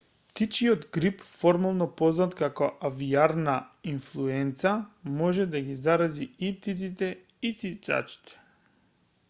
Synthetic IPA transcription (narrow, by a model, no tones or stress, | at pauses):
pt̪it͡ʃiɔd̪ɡɾipfɔɾmalˠnɔpɔznat̪kakɔʔaviaɾnainflˠuɛnt̪samɔʒɛd̪aɡizaɾaziip̚t̪it̪sit̪ɛisit͡ʃ̪a̰t͡ʃi̥t̪ɛ̥